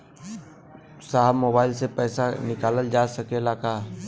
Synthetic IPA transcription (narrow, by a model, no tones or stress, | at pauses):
saːɦmoːbaːɪlsepɛːsanɪkaːləld͡ʒasəkelaka